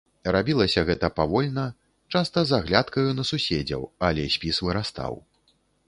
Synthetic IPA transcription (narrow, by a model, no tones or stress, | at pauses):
rabʲilˠɐsʲɐɣɛt̪ɐpavɔlʲnɐ | t͡ʂast̪ɐzaɣlʲat̪kɐjunɐsusʲeɛd͡zʲɐ̰walʲɛsʲpʲisvɨɾast̪a̰w